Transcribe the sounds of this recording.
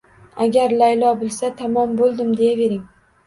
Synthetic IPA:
aɡʲaɾlajlɒbɪlsat̪ʰamɒmbolˠd̪ɪmd̪e̞jave̞ɾɪŋ

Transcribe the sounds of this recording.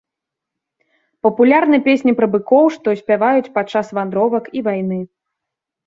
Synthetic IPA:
pɐpulʲarnɨɛpʲesʲnʲipɾɐbɨkɔwʂt̪ɔsʲpʲavajut͡sʲpat͡ʂːasvand̪ɾɔvɐkivajn̪ɨ

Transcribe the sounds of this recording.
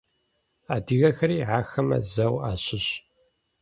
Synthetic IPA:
aːdiɣɐxɐɾiːʕaːxɐmɐ̰zɐwaːɕɪɕ

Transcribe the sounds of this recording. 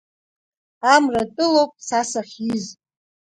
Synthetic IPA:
amratʼɨlowpʼsasaχʲiz

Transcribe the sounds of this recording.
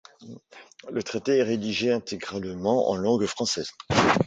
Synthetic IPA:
lət̪χet̪eɛʁed̪iʒeɛ̃t̪ʰeɡʁalmɑ̃ʔɑ̰̃lɑ̃ɡfχɑ̃sɛz

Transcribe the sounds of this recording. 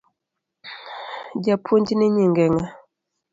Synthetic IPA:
d͡ʒapʰondineɲiŋɡɛŋa

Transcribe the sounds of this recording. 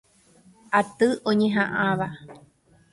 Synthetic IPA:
at̪ɨʔõɲẽɦãʔãʋa

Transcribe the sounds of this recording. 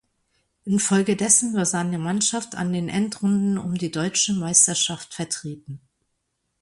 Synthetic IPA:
ʔɪnfɔlɡədɛsn̩vaɐz̥aɪnəmanʃaftʰa̰ndeːnʔɛntʁʊndn̩ʊ̰mdiːdɔʏt͡ʃəmaɪstɐʃaftfɛɐtʁ̥eːtn̩

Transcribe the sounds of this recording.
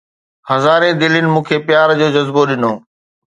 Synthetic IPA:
hɐzaːɾẽd̪ɪlənɪ̆mũːkʰeːpjaːɾd͡ʑoːd͡ʑɐzboɗɪnoː

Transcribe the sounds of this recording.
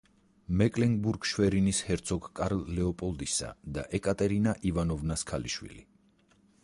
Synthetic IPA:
mɛkʼlɛŋɡbuɾɡʃwɛɾinishɛɾt̪sʰɔɡkʼaɾlːɛɔpʼɔlˠd̪isa̰d̪aʔɛkʼat̪ʼɛɾinaʔivanɔvnaskʰalḭʃwḭli

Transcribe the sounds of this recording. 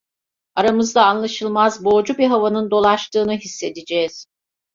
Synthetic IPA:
aɾamɯzd̪aːnlˠaʃɯlˠmazbo̞ːd͡ʒubiɦavanɯnd̪o̞lˠaʃt̪ɯːnɯɦisːe̞d̪id͡ʒɛːz̥

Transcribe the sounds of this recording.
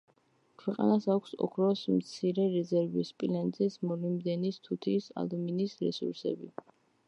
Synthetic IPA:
kʰwɛqʼa̰nasakʰʷsɔ̰kʰɾɔsmt̪sʰiɾɛɾɛzɛɾvispʼilɛnzɛsmɔlimd̪ɛnist̪ʰut̪ʰisa̰d̪ɔminisɾɛ̰sṵɾsɛ̰bi

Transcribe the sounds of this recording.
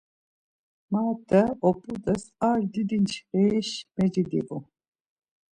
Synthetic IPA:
maːt̪ɛɔpʼud̪əsaɾd̪id̪int͡ʃʰɾɛʃmɛd͡ʒid̪ḭvu

